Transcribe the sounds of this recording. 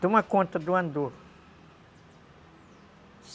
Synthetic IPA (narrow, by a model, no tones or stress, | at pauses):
d̪ũmɐkõnt̪ɐd̪uɐ̃nd̪oɾ | s